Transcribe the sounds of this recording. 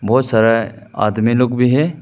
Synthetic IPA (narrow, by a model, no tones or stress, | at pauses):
bɔːt̪saːɾaa̰ːd̪miloːkbʱiɦɛː